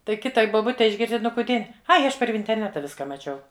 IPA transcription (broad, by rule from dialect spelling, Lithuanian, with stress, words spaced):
ˈtɐɪ ˈkʲɪtɐɪ boːˈbʊtʲɛɪ ɪʒʲˈɡʲɪrʲsʲtʲɪ ˈnʊ kʊˈdʲiɛ ˈɐɪ ˈɐʃ pɐr ʋʲɪnʲtʲɛrʲˈnʲæːtɐ ˈʋʲɪskɐ mɐˈt͡ʃʲɛʊ